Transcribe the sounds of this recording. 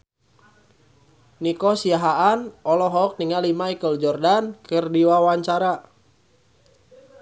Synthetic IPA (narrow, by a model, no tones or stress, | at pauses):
nikɔsiaɦaʔanɔlɔɦɔk̚niŋalimaikəld͡ʒɔrdankɨrdiwawaɲt͡ʃaɾa